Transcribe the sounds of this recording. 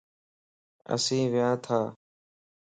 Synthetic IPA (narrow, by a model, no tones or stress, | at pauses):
ə̰sĩːʋɪjãːt̪ʰaː